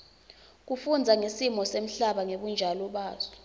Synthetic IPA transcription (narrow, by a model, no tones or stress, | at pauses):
k̬ufund͡zʱaŋesimɔsem̩ɬaɓaŋeɓund͡ʒʱalɔɓaːzɛ